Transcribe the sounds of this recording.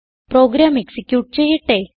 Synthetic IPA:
pɾo̞ːɡɾaːmeksikʲjuːʈ̚t͡ɕe̞jːiʈːe

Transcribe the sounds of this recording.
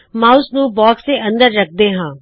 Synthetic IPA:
mãːʊsnũːbɔːkseʔə̃nd̪əɾːək̚ʰd̪eːɦãː

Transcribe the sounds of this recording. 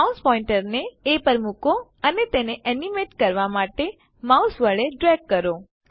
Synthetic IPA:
auspɔĩɳʈəɾneːpəɾmukoənet̪eneʔɛnimeʈkəɾʋamaʈe | mausʋəɭeɖɾɛk̚kəɾo

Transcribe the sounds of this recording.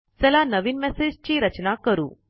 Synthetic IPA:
sɛlaːnɐʋinmeseːd͡ʒt͡ʃiɾɐt͡ʃɐnaːkɐɾṵ

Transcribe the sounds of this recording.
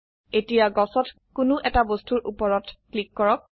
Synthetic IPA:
etijaɡɔsɔt | kʊnʊʔɛtabostuɹʔupɔɹɔtklikːɔɹɔk̚

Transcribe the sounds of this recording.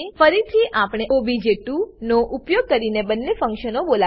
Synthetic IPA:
fəɾit̪ʰiʔapɽ̃eobʱid͡ʒeʈunoʔupjoɡ̚kəɾinebənːefə̃ŋkʃənobola

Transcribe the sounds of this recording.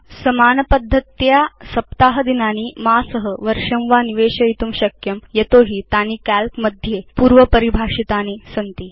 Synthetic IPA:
sɐmaːnɐpɐd̪ʱːət̪jasɐp̚t̪aɦəd̪inaːniːmaːsəɦəʋəɾʂɐmʋaniʋeːɕəit̪umɕɐkjɐmjet̪oɦiːt̪aniːkælpməd̪ʱjepuːɾʋəpəɾibʱaːʂit̪aniːsɐnt̪iː

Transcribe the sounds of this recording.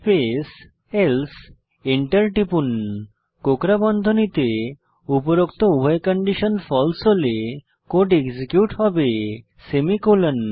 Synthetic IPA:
pes | els | iɳʈəɾʈipun | kokɾabɔnd̪ʱonit̪e | upoɾokt̪oubʱɔjkɔɳɖiʃonfɔlsole | koʈeɡsikjuʈɦɔbe | semikolon

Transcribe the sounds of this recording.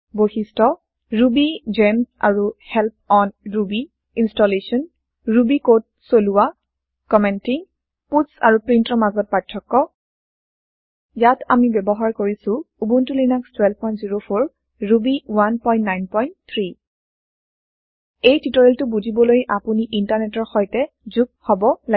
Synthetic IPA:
bohistɔ | ɹubid͡ʒɛma̰ɹuhɛlp̚ɔnɹubi | instɔlesɔn | ɹubikot̚soluwa | kɔmɛntiŋ | putsa̰ɹupɹintɹɔmazɔt̚patʰːɔkːɔ | jata̰mibɛbɔɦaɹkoɹisʊ̃ubuntulinakstwɛlpɔjntziɹopʰoɹ | ɹubiwanpɔj̃ntːajnpɔjntt̪ʰɹi | ejtitɔɹɛltʊbud͡ʒʱibɔlojʔapuniʔintaɹnɛtɔɹxɔjtɛ | zuk̚hɔbɔla

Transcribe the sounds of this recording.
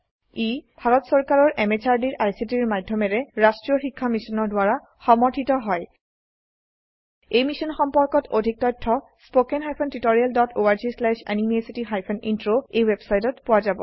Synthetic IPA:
ibʱaɹɔtsɔɹkaɹɔɹʔɛmet͡ʃaɹdiɹʔajsitiɹmadʱjɔmɛɹɛɹastɹijɔxikʰːamisɔnɔɹdwaɹa | xɔmɔɹtʰitɔɦɔj | ejmisɔnxɔmpɔɹkɔtʰodʱik̚tɔjtʰːɔ | spokɛnɦajpʰɔntitoɹijaldɔtoaɹzislɛʃa̰nimesitiɦajpʰɔnintɹoejwebsajtɔtpʊwazabɔ̰

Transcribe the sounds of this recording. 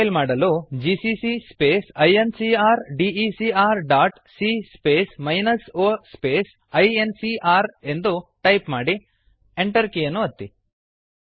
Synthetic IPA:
lmaːɽɐloːd͡ʒiːsisispeːsɐjensiaːɾɖiisiaːɾɖaːʈ | siːspeːsmɐjnɐsoːspeːs | ɐjensiʔaːɾe̞nd̪uʈɐjpmaːɽi | eɳʈɐɾkejɐnːuɐt̪ːi

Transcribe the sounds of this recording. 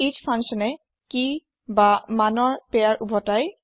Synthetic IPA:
id͡ʒpʰãŋʃɔnɛ | ki | bamanɔɹpɛaɹʔubʱɔtaj

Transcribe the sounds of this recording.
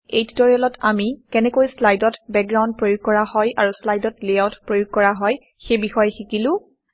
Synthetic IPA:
ejttoɹiɔlɔtamikɛnɛkojslajdɔtbɛk̚ɡɹaw̃nd̚pɹojuɡ̚kɔɹahɔjaɹuslajdɔtliawtpɹojuɡ̚kɔɹaɦɔj | xejbixɔjɛxikilʊ̃

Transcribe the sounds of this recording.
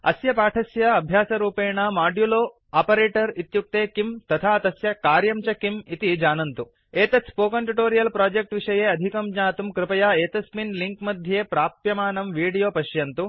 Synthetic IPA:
ɐ̰sjɐpaːʈʰɐsjɐɐbʱjaːsɐɾuːpeːɳɐmaːɖjuloː | aːpɐɾeːʈɐɾit̪juk̚t̪eːkimt̪ɐt̪ʰaːɐt̪ɐsjɐkaːɾjɐmt͡ʃɐkimit̪id͡ʒaːnɐnt̪u | eːt̪ɐt͡sʰpoːkɐɳʈuʈoːɾijɐlpɾaːd͡ʒek̚ʈʋiʂɐjeːɐd̪ʱikɐmɲaːt̪umkɾɪpɐjaːeːt̪ɐsminliŋkmɐd̪ʱjeːpɾaːpjɐmaːnɐmʋiːɽijoːpɐʃjɐnt̪u

